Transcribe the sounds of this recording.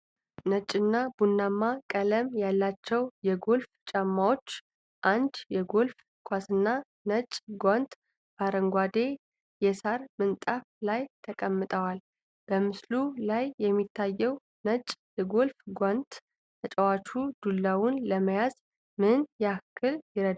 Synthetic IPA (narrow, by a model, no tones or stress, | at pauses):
nət͡ʃʼːɨnːabunːamːakʼələmjalːat͡ʃːɛwjɛɡo̞lft͡ʃʼamːawo̞t͡ʃː | ʔand̪jɛɡo̞lf | kʷʰasɨnːa | nət͡ʃʼɡʷant̪ | b̥aɾəŋɡʷad̪e̞ | jɛsaɾmɨnt̪ʼaflajt̪ʰəkʼəmːɨt̪ʼəwal | b̥əmɨslulajːɛmːit̪ʰːajːɛw | nət͡ʃʼjɛɡo̞lfɡʷant̪ | t̪ʰət͡ʃʼɛwat͡ʃʰud̪̥ulːawʊnləməjaz | mɨnjɛakʰːɨljɪɾəd̪